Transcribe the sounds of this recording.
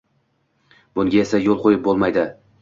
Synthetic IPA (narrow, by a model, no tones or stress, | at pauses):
bʊŋɡʲae̞sajolˠqʰojɪp̚bolˠmajd̪ɪ